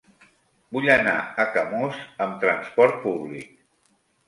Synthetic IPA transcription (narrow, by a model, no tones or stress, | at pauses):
buʎəna̰əkəmozəmt̪ɾənspɔɾt̪̚puβlḭk̚